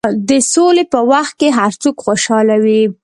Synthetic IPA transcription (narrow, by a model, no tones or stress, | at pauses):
d̪əsolepəwaxt̪̚keɦaɾt͡sukxoʃɑlawi